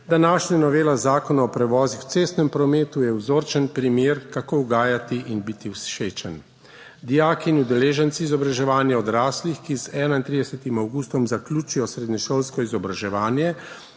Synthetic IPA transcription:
d̪anaːʃɲanɔʋeːlazaːkɔnaɔpɾɛʋɔːzixw̥t̪seːst̪nɛmpɾɔmeːt̪ujɛwzoːɾt͡ʃɛnpɾimjeːɾkakowɡaːjat̪iʔinbit̪iwsʃeːt͡ʃɛn | d̪ijaːkiːnud̪ɛleːʒɛnt̪siːzɔbɾaʒɛʋaːnjɛɔd̪ɾaːslixkizɛːnaint̪ɾid̪ɛsɛt̪imawɡuːst̪ɔmzaklʲuːt͡ʃujɔsɾeːd̪ɲɛʃolskɔizɔbɾaʒɛʋaːnjɛ

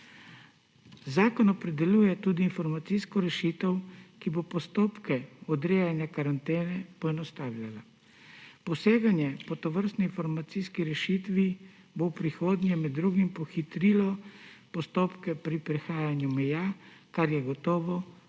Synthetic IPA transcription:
zaːkɔnɔpɾɛd̪ɛluːjɛt̪uːd̪iːnfɔɾmat̪siːskɔɾɛʃit̪əwkibopɔst̪oːpkɛɔd̪ɾeːjanjakaɾant̪eːnɛpɔɛnɔst̪aːwlʲjala | pɔseːɡanjɛpɔt̪ɔʋəɾst̪niinfɔɾmat̪siːskiɾɛʃit̪ʋi | bowpɾixoːd̪njɛmɛd̪ːɾuːɡimpɔxit̪ɾilɔpɔst̪oːpkɛpɾipɾɛxaːjanjumɛjakaɾjɛɡɔt̪ɔːʋɔ

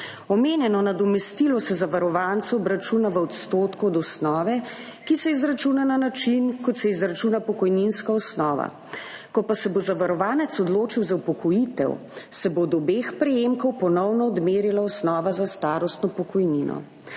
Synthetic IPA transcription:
ɔmeːnjɛnɔnad̪ɔmɛst̪ilɔsɛzaʋaɾɔʋant̪suɔbɾat͡ʃuːnaʋəɔt̪st̪oːt̪kɔːd̪ɔsnɔːʋɛ | kisɛizɾat͡ʃunananat͡ʃinkɔt̪sɛizɾat͡ʃuːnapɔkɔjninskaɔsnɔːʋa̰ | kɔpasɛbozaʋaɾɔʋaːnɛt̪sɔd̪loːt͡ʃiwzaupɔkɔjit̪ɛ̰w | sɛbod̪ɔbeːxpɾɛjemkɔwpɔnɔwnɔːd̪meːɾilaɔsnɔːʋazast̪aːɾɔst̪nɔpɔkɔjninʔɔ̰

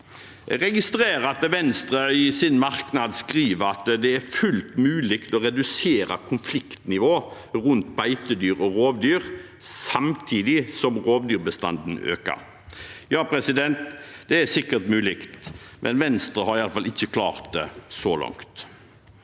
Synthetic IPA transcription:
ɛɡʁɛɡɪst̪ʁeːʁɑt̪ʋɛnst̪ʁəɪsɪnmɑɾknɑd̪skʁiːʋəɾɑt̪d̪ɛæɾfʉlt̪mʉːlɪkt̪ɔɾɛd̪ʉseːɾɑ̰kʰʊnflɪkt̪nɪʋoː | ʁʉnt̪̚bæɪt̪əd̪yːɾɔʁoːʋd̪yːɾ | sɑmt̪ʰiːd̪ɪsɔmʁoːʋd̪yːʁbəst̪ɑ̰nd̪n̩ø̰ːkə̰ɾ | jɑːpʰɾɛsɪd̪ɛnt̪d̪ɛæsɪkːət̪mʉːlɪkt̪mʔɛ̰nʋɛnst̪ɾəhɑɾɪjɑləfɑlɪçːəkʰlɑ̰ːʁt̪̚d̪ɛsɔlɔ̰ŋkt̪

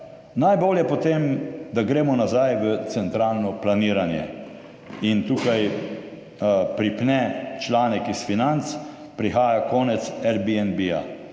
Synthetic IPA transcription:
najboːljɛpɔt̪eːmd̪aɡɾeːmɔnazajʋət̪sɛnt̪ɾaːlnɔplaniːɾanjɛ̰ | int̪uːkaj | pɾipnɛt͡ʃlaːnɛkisfinant̪s | pɾixaːjakɔːnɛt̪sɛɾbiɛnbia̰

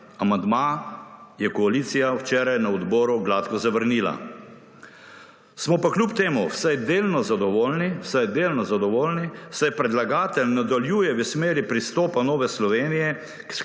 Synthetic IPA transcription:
amand̪ma | jɛkɔaliːt̪sijawt͡ʃɛːɾajnaɔd̪bɔːɾuɡlaːt̪kɔzaʋəɾniːla̰ | smɔpaklʲjupt̪eːmuwsajd̪eːlnɔzad̪ɔʋoːlniwsajd̪eːlnɔzad̪ɔʋoːlniwsajpɾɛd̪laɡaːt̪ɛlnad̪aljuːjɛʋəsmeːɾipɾist̪ɔːpanɔːʋɛslɔʋeːnijɛ | k

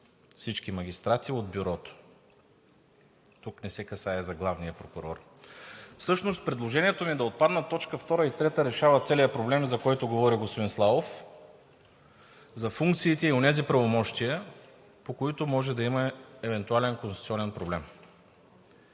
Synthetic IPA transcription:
fsit͡ʃkimɐɡʲist̪ɾat̪iod̪bjuɾɔt̪o̥ | t̪uknɛsɛkɐsaɛzɐɡlˠavnijəpɾokʊɾɔ̰ɾ | fsɤʃnost̪̚pɾɛd̪lˠoʒɛnʲiɛt̪omid̪ɐot̪̚pad̪nət̪ɔt͡ʃkəft̪ɔɾəit̪ɾɛt̪əɾɛʃavət̪sɛlijəpɾoblɛmzɐkɔjt̪ʊɡovɔɾiɡospod̪inslˠavof | zɐfuŋk̚t̪siːt̪ɛionɛzipɾɐvomɔʃt̪iə | pokoit̪ʊmɔʒɛd̪ɐimɐɛvɛnt̪ualɛnkonst̪u̥t̪siɔnɛnpɾoblɛm

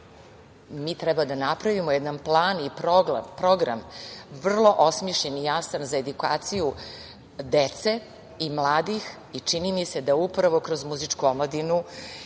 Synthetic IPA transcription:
mit̪ɾɛbad̪anapɾaʋimojed̪anplˠaːnipɾoɡa̰pɾoɡɾa̰mʋr̩lˠo̞ʔosmjiʃʎenijasanzae̞d̪uka̰ːt̪siju | d̪et̪se̞ | imlˠaːd̪ix | it͡ʂinimise̞d̪aupɾaʋo̞kɾo̞zmuzit͡ʂkuomlˠad̪inu

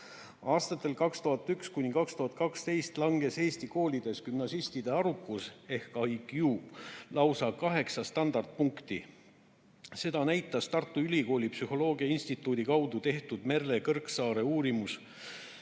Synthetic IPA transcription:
ɑːst̪ɑt̪ːˑe̞lkɑkst̪uɦɑt̪ːˑykskunʲːikɑkst̪uɦɑt̪̚ːˑkɑkst̪e̞jst̪lɑŋɡe̞se̞ːst̪iko̞ːlʲid̪̥e̞skymnɑsist̪id̪̥e̞ɑɾukːˑuse̞hkɑjkjuːlɑwsɑkɑɦe̞ksɑst̪ɑnd̪̥ɑrd̪̥̚puŋkt̪i | se̞d̪ɑnæjt̪ːˑɑst̪ɑrt̪ːˑuylʲiko̞ːlʲipsyɦo̞lo̞ːɡ̥iɑinsʲt̪it̪ːˑuːd̪ikɑwd̪̥ut̪e̞ht̪ud̪̥me̞rːe̞kɤrksɑːɾe̞uːɾimus

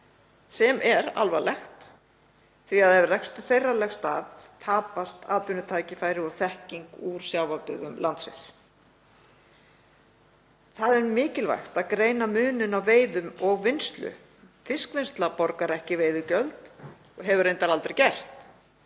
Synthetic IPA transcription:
sɛmʔɛɾa̰lvalɛxt̪ | θviaðɛvɪrɛkst̪ʏθejrːalɛxst̪aːðt̪ʰaːpast̪aːt̪ʏnʏt̪ʰaːjcɪfaːjɾɪɔɣθɛhciŋkuɾ̥sjawvapɪðʏmlant̪sɪ̰ns | θaðɛɾmɪːcɪlva̰jxt̪aðkɾeːjnamʏːnʏnawveːjðʏmɔɣvɪnst̪lʏ̰ | fɪskvɪnst̪lapɔɾkaɾɛhcɪveːjðʏcœlt̪ | ɔɦɛvʏɾejnt̪aɾalt̪ɾɛjcɛr̥t̪

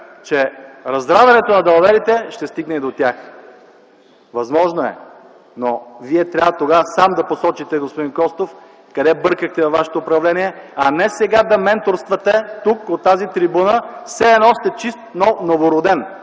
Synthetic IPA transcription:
t͡ʃɛɾɐzd̪ɾavɐnɛt̪onɐd̪ɐlˠvɛɾit̪ɛʃt̪ɛst̪iɡnɛid̪ot̪ʲax | vɐzmɔʒnoɛ̰ | noviɛt̪ɾʲavt̪oɡasamd̪ɐposɔt͡ʃit̪ɛɡospod̪inkɔst̪of | kɐd̪ɛbɤɾkəxt̪ɛvɐvːaʃɛ̥t̪oːpɾɐvlɛniɛɐnɛsɛɡad̪ɐmɛnt̪oɾst̪vɐt̪ɛt̪ukot̪ːazit̪ɾibunəfsɛːnɔst̪ɛt͡ʃist̪nɔnovoɾod̪ɛn

